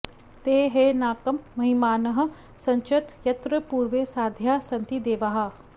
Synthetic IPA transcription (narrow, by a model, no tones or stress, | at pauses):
t̪eːɦenaːkɐmːɐɦimaːnɐɦ̆ | sɐ̃ɲt͡ʃɐt̪jɐt̪ɾəpuːɾʋesaːd̪ʱjaːsɐ̃nt̪id̪eːʋaɦa